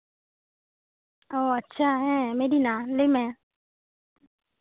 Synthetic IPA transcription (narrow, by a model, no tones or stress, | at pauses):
oːətːʃʰaːɦɛ̃meːɾiːnãːlemɛ̃ː